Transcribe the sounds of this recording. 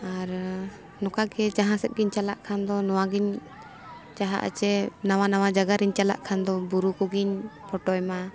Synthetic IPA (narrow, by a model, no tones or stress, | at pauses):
aɾ | nɔkaɡɛd͡ʒaɦãsɛt̪̚ɡiɲt͡ʃalaʔkʰand̪ɔnɔwaɡiɲ | t͡ʃaɦa̰ʔə̰t͡ʃɛnawanawad͡ʒaɡaɾiɲt͡ʃala̰ʔkʰand̪ɔbuɾukɔɡiɲpɔʈɔjma